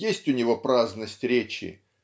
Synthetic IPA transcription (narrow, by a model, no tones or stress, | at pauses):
jesʲtʲʊnʲɪvopɾaznəsʲtʲɾʲet͡ɕɪ̰